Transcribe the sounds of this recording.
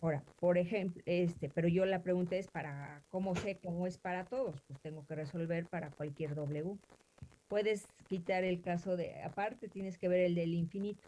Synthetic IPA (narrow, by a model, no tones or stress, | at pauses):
oɾapo̞ɾe̞xemplest̪e̞pe̞ɾo̞ʝo̞lapɾe̞ɣunt̪ae̞spaɾako̞mo̞se̞ko̞moe̞spaɾat̪o̞ðo̞spwest̪e̞ŋɡo̞ke̞re̞so̞lβe̞ɾpaɾakwalkje̞ɾðo̞βle̞u | pwe̞ðe̞skit̪aɾe̞lkaso̞ðḛa̰paɾt̪e̞t̪je̞ne̞ske̞βe̞ɾe̞ld̪e̞liɱfinit̪o̥